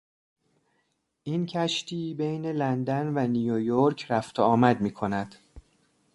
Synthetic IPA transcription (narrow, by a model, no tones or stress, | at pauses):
ʔincʰæʃt̪ʰiːbejne̞lænd̪ænvænijojoɾcʰɾæft̪ʰoɒːmæd̪miːkʰo̞næd̪̥